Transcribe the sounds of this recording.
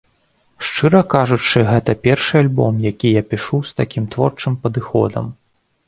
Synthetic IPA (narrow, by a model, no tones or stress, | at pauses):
ʂt͡ʂɨɾɐkaʐut͡ʂɨɣɛt̪ɐpʲɛrʂɨalʲbɔmjakʲijapʲiʂust̪akʲimt̪vɔrt͡ʂɨmpɐd̪ɨxɔ̰d̪ɐ̰m